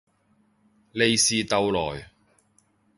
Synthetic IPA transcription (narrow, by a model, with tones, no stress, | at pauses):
le˨jsiː˨˧t̪ɐ˨wlɔ̰ː˨˩j